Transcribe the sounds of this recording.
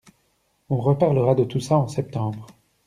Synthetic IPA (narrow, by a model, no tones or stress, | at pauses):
ɔ̃ʁəpaʁləʁad̪ət̪usaɑ̃sɛp̚t̪ɑ̃bʁ